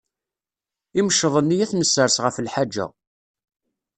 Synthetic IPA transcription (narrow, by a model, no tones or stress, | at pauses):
iməʃːəðˤənːijæθnəsːəɾsʁəflħad͡ʒːæ̰